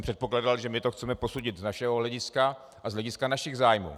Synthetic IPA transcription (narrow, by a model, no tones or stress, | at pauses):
mpr̥ɛt̪̚po̞klaːdalʒɛmɪt̪oxt͡sɛmɛpo̞suɟɪt̪znaʃɛɦoɦlɛɟɪska | ʔazlɛɟɪskanaʃɪɣzaːjmṵː